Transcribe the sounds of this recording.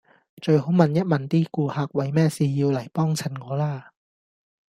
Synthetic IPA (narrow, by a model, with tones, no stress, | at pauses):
t͡ɕɵ˧jho˨˥wmɐ˧njɐ˥t̚mɐ˨˧˩nt̪iː˥˩kuː˧˩haː˨˧k̚wɐ˨˥jmɛː˥˩siː˧jiː˧wlɐ˨˩jpɔː˥˩ŋt͡sʰa˨˧˩nkɔː˨˧˥laː˧˩